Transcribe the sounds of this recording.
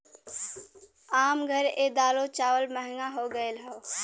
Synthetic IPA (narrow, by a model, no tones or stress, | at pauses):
aːmɡʱəɾeːd̪aːlot͡ʃaːʋəlməɦɪŋaɦoːɡəelɦoː